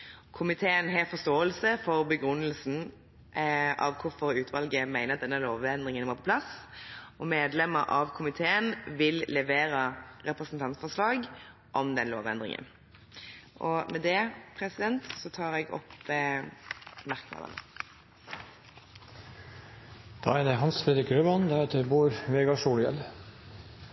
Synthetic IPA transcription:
kʰʊmɪt̪ʰeːənɦeːfɔʁst̪oːəlsəfɔʁbəɡʁʉnːəlsn̩ | ʔɑ̰ʋkʰʊʁfɔɾʉːt̪ʰʋɑlɡəmæɪnəʁɑt̪̚d̪ɛnːəloːʋɛnd̪ʁɪŋənʋɑːʁpʰɔ̥pʰlɑsʔɔmeːd̪lɛməɾʔɑʋkʰʊmɪt̪ʰeːənʋɪllɛʋeːɾəʁɛpʁɛsn̩t̪ʰɑnt̪fɔʁslɑːɡ | ʔɔmd̪ɛnlo̰ːʋɛnd̪ʁɪ̰ŋʔə̰n | ʔɔmɛd̪ɛpʰʁɛsɪd̪ɛnt̪sɔt̪ʰɑːʁɛɡɔ̰p | mæʁkmɑ̰d̪ə̰nə̰ | d̪̥ɑ̰ːæd̪ɛɦɑnsfɾɛd̪ɾɪkɾøʋɑnd̪æɾeːt̪ʰəbuːɾʋeːɡɑʂuːljɛl

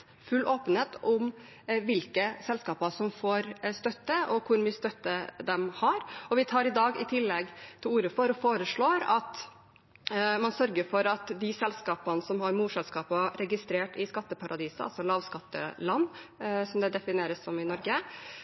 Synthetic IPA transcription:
fʉlːʔoːpən̩eːt̪ʔʊm | ʋɪlkəsɛlskɑːpɑsɔmfoːɾst̪œt̪ːəɔkʰʊɾmʏst̪œt̪ːəd̪ɛmhɑɾɔʋɪt̪ʰɑːɾɪd̪ɑːɡɪt̪ʰɪlːɛɡt̪ʰɪluːɾəfɔɾɔfoːɾəʂɭoːɾɑt̪ | mɑnsœɾɡəɾfɔɾɑt̪d̪ɪsɛlskɑːpɑnsɔmhɑɾmuːsɛlskɑːpɑɾɛɡɪst̪ɾeːʈɪskɑt̪ːəpʰɑɾʔɑd̪iːsəʔɑ̰sɔlɑːʋskɑt̪ːə̰lɑnːsɔmd̪ɛd̪ɛfɪneːɾəsːɔmɪnɔɾɡə

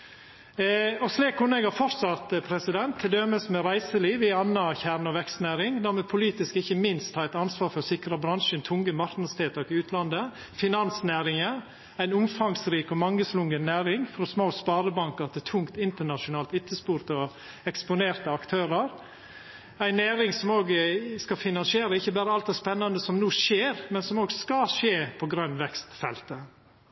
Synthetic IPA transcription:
ɔsliːkʰːʊnɛɡhɑɾfɔɾsɑt̪əpʰɾɛsɪd̪ɛnt̪ʰːɪld̪œməsmɛɾæɪsəliːʋɪɑnːɑçæɾnɔʋɛkst̪næːɾɪŋd̪æːɾmɛpʰʊliːt̪ɪskɪçəmɪnst̪ʰhɑːæɪt̪ɑnsʋɑːɾfɔɾsɪkɾəbɾɑnʃənt̪ʰʊŋɡəmɑɾknɑst̪ʰeːt̪əɾɪʉːt̪ʰlɑnd̪ə | fɪnɑnsnæːɾɪŋə | æɪnʊmfɑŋsɾiːkɔmɑŋːəslʊŋɡənːæːɾɪŋfɾɔsmoːspɑːɾəbɑŋkəɾt̪ɪt̪ʰʊŋkt̪ɪnt̪əɳɑʃʊnɑːlt̪ɪt̪ʰːəspuːɾt̪əɔ | ɛkspʊneːɾt̪əɑkt̪ʰøːɾəɾ | æɪnæːɾɪŋsɔmoːɡskɑfɪnɑnsɪeːɾəɪçəbæːɾəɑlt̪d̪ɛspɛnːɑnd̪əsɔmnuːʂeːɾmɛnsɔmoːɡskɑʃeːpʰɔɡɾœnːʋɛkst̪fɛ̰lt̪ə

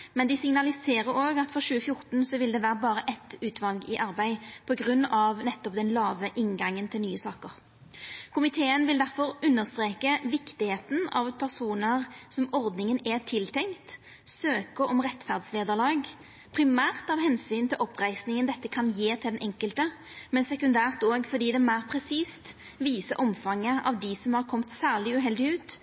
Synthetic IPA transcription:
mɛnd̪ɪsɪŋnɑlɪseːɾəɾoːɡɑt̪fɔʁʃʉːəfjʊʁt̪nsɔʋɪld̪ɛʋæːɾəbɑːɾəʔɛt̪ʉːt̪ʰʋɑlɡɪʔɑɾbæɪpʰɔɡʁʉnːɑʋnɛt̪ːɔpd̪ɛnlɑːʋəʔɪnɡɑŋːənt̪ʰɪlnyːəsɑːkəʁ | kʰʊmɪt̪ʰeːənʋɪld̪æʁfɔɾʉnːəʁst̪ɾeːkəʋɪkt̪ɪheːt̪n̩ɑ̰ʋpʰæʁsuːnəʁsɔmɔʁd̪nɪŋənɛt̪ʰɪlt̪ʰɛŋkt̪ | søːkəɾɔmʁɛt̪fæʁd̪sʋeːd̪əʁlɑːɡ | pʰʁɪmæːʁt̪ɑʋɦɛnsyːnt̪ʰɪlʔɔpːʁæɪsnɪŋənd̪ɛt̪ːəkʰɑnjeːt̪ʰɪld̪ɛnʔɛŋkəlt̪ə | mɛnsɛkʉnd̪æːʁt̪oːɡfɔd̪iːd̪ɛmæɪʁpʰʁɛsiːst̪ | ʋiːsəʔɔmfɑŋːəʔɑ̰ʋd̪ɪsɔmhɑʁkʰɔmt̪sæːʁɭɪʉɦɛld̪ɪʉːt̪

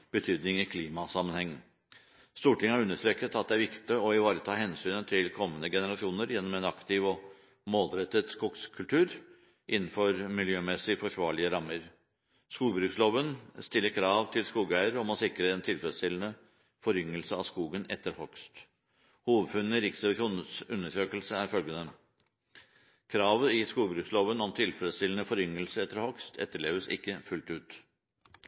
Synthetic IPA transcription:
b̥ət̪ʰyːd̪nɪŋɪkʰliːmɑsɑmənhɛŋː | st̪uːʈɪŋəhæɾʉnːəʂt̪ɾɛkət̪ɑt̪̚d̪ɛæɾʋɪkt̪ɪɔɪʋɑːɾət̪ʰɑːhɛnsyːnət̪ʰɪlkʰɔmːənəɡɛnəɾɑʂɪuːnəɾjɛnːɔmɛnɑkt̪ɪʋɔ | moːlɾɛt̪ːəd̪skʊɡskʰʉlt̪ʰʉːɾ | ʔɪnːn̩fɔɾmɪljøːmɛsɪfɔʂʋɑːɭɪəɾɑmːəɾ | skuːbɾʉːksloːʋənst̪ɪlːəɾkʰɾɑːʋt̪ʰɪlskuːɡæɪəɾɔmɔsɪkːɾəɛnt̪ʰɪlfɾəst̪ɪlən̩ə | fɔɾʏŋːəlsəɑ̰ʋskuːɡənɛt̪ːəɾhɔkst̪ | huːʋəfʉnːəɾɪksəʂuːnəsʉnːəʂøːkəlsəæɾfœlɡənə | kʰɾɑːʋəɪskuːɡbɾʉːksloːʋənɔmt̪ʰɪlfɛɾəst̪ɪlənəfɔɾʏŋəlsəɛt̪ːəɾhɔkst̪ʰɛ̰t̪ːəɭeːʋəsɪ̰kːəfʉlt̪ʉːt̪

